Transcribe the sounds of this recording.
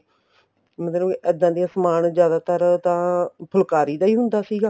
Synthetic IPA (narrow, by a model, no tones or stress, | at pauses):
mət̪lõːʔɛːd̪ãːd̪ijãːsəmaːnzjaːd̪aːt̪əɾt̪ãːpʰʊlkaːɾiːd̪aːiːɦʊnd̪aːsiːɡaː